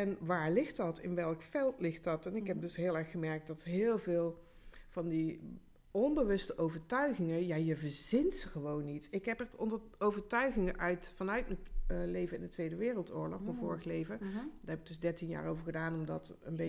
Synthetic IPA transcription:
ɛnʋaːɹlɪxtdɑtɪ̰nʋɛlˠkfɛlˠtlɪxtdɑtɛnɪkɦɛp̚dɵsɦɪːlˠɛɹχəmɛɹk̚dɑtɦɪːlˠvɪːlˠ | v̥ɑndi | ɔnbəʋɵstəʔowvəɹtœɥɣɪŋəjaːjəvəɹzɪntsəχəʋownːitɪkɦɛpɛɹtɔndə | owvəɹtœɥɣɪŋəʔœɥtfɑnœɥtməlejvəɪndətʋejdəʋɪːrəlˠtʊːɹlɔxmnvʊːɹəxlejvədaːɹɦɛbɪɡ̚d̥ɵzdɛɹtinja̰ːɹowvəɹχədaːnɔmdɑt | ənbe

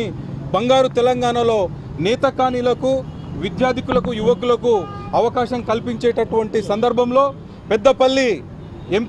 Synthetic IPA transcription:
ibɐŋɡaːɾut̪ɛlɐŋɡaːɳɐlo̞ː | nɛːt̪ɐkaːnilɐku | ʋid̪jaːd̪ʱikulɐkujuʋɐkulɐkuɐʋɐkaːʃɐmkɐlpiɲt͡ʃɛːʈɐʈuʋɐɳʈisɐnd̪ɐɾbʱɐmlo̞ː | pɛd̪ːɐpɐlːi | emp

